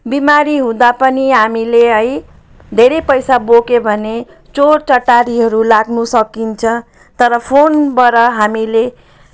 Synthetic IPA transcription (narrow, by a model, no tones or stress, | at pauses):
bimaɾiɦũd̪apʌniɦamileʌj | d̪ʱeɾejpʌjsabokebʱʌne | t͡sorʈʌʈaɾiɦʌɾulaɡnusʌkint͡sʰʌ̃ | t̪ʌɾʌpʰonbʌɾʌɦamile